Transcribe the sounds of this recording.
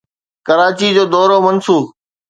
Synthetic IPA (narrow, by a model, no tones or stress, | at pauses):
kəɾaːt͡ɕid͡ʑoːd̪ɔːɾoːmɐnsuː